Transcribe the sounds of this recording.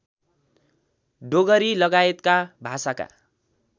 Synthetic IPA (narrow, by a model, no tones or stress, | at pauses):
ɖoɡʌɾilʌɡaet̪kabʱasaka̰